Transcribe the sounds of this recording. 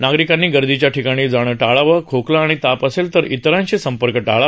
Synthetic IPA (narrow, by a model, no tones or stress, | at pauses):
naɡɾikanːiːɡəɾd̪it͡ɕjaʈʰikaɽ̃iːd͡zaɽ̃əːʈaɭaʋəkʰokləːɽ̃it̪apəselt̪əɾit̪ɾãnɕesəmpəɾkəʈaɭa